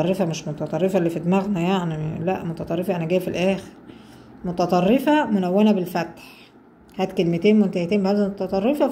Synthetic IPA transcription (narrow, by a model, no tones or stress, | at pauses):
ɑrˤːefæmeʃmot̪ɑt̪ˤɑrˤːefæʔlːiːfid̪mæɣnæjaʕnilæʔmot̪ɑt̪ˤɑrˤːefɑʔænæɡæːjfilʔæːxeɾ | mot̪ɑt̪ˤɑrˤːefæmonæwːænæbelfæt̪ħ | hæːd̪kelmet̪eːnmont̪æht̪eːmbæd̪æmot̪ɑt̪ˤɑrˤːefɑ